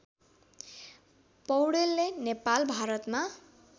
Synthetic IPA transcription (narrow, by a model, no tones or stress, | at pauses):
pʌwɽelːenepalbʱaɾʌt̪ma